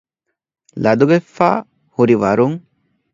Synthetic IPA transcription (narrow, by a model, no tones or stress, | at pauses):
lɐd̪uɡefːa̰ː | huɾiʋɐɾuŋ